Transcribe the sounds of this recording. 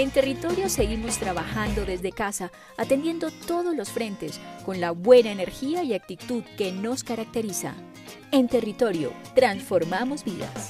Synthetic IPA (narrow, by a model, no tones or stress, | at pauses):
e̞nt̪e̞rit̪o̞ɾjo̞se̞ɣimo̞st̪ɾaβaxand̪o̞ðe̞zðe̞kasaː | t̪e̞nd̪je̞nd̪o̞t̪o̞ðo̞zlo̞sfɾe̞nt̪e̞sko̞nlaβwe̞naene̞ɾxiaiak̚t̪it̪uðke̞no̞skaɾak̚t̪e̞ɾisa̰ | e̞nt̪e̞rit̪o̞ɾjo̞̰t̪ɾansfo̞ɾmamo̞zbiða̰s